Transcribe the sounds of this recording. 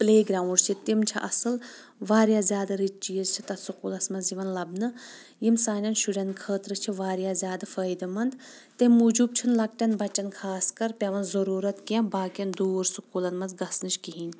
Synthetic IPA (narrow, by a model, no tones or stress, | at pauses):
pleːɡɾaːw̃ɖt͡ʃʰit̪imt͡ʃʰiʔɐ̰sɨl | ʋaːɾjaːzʲaːd̪ɐɾit͡ʃt͡ʃiːzt͡ʃʰi̥t̪ɐt̪sukuːlɐsmɐnziʋɐnlɐbnɨ | jimsaːnʲjɐnʃuɖʲɐnkʰəːt̪ɾɨt͡ʃʰiʋaːɾjaːzʲjaːd̪afəːjd̪ɐmɐnd̪ | t̪emuːd͡ʒub̚t͡ʃʰinlɐk̚ʈʲɐnbɐt͡ʃɐnkʰaːskɐɾpʲɐʋɐnzɐɾuːɾɐt̪kɐ̃baːkjɐnd̪oːɾsukuːlɐnmɐnzɡɐsnɨt͡ʃkiɦinʲ